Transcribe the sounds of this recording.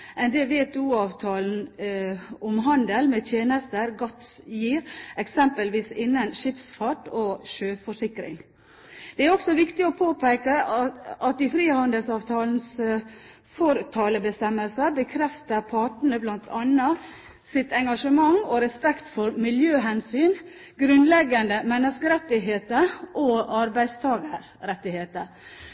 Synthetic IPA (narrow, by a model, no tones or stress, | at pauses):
ʔɛnd̪ɛʋeːt̪uːɑːʋt̪ʰɑːln̩ | ɔmɦɑnd̪əlmɛːt̪ʰjeːnəst̪əɾɡɑt̪sjiːɾɛksɛmpəlʋiːsɪnːənʃɪfsfɑʈoːʃøːfɔʂɪkɾɪ̰ŋ | d̪̥ɛæɾɔksɔʋɪkt̪ɪɔpʰoːpʰæɪkəʔɑt̪ɪfɾiːhɑnd̪əlsɑːʋt̪ʰɑːln̩s | fɔɾt̪ʰɑːləbəst̪ɛmːəlsəbəkʰɾɛft̪əɾpʰɑʈɳəblɑnt̪ʰɑnɑ | sɪt̪ɛŋɡɑʂəmɑŋɔɾɛspɛkt̪fɔɾmɪljøːɦɛnsyːn | ɡɾʉnlɛɡːɑnd̪əmɛnːəskəɾɛt̪ːɪɦeːt̪əʔoɑɾbæɪd̪st̪ʰɑːɡəɾ | ɾɛt̪ːɪheːt̪əɾ